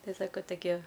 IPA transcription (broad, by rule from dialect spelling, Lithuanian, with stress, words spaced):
ˈtɐɪ ˈsɑːkoː toːˈkʲiɛ